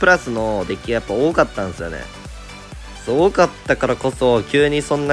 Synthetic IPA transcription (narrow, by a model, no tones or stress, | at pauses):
pɯ̟ɾasɨno̞d̪e̞kʲiajapːao̞ːkat̪ːãñsɨjo̞̰nḛ | soːkat̪ːakaɾako̞so̞kʲɨːɲ̟isõ̞nːa